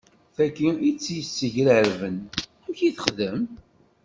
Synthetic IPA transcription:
θækːiit͡sːjəsːəʝɾəɾvən | æmçiθəχðəm

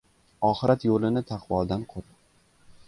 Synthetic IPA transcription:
ɒχɪɾat̪jolɪnɪt̪ʰɑqvɒlˠd̪anqʰot̪

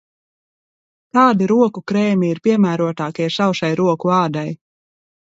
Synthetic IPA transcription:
k̪ɑːd̪iɾuɔkukɾɛːmʲiiɾpiɛmæːɾuɔt̪aːkiɛsawʃajɾuɔkuɑːd̪aj

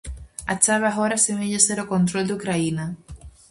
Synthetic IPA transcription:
at͡ʃaβaɦoɾasemeʎeseɾokont̪ɾold̪ukɾaina

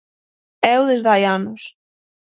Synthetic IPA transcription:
ɛwðezðajanʊs

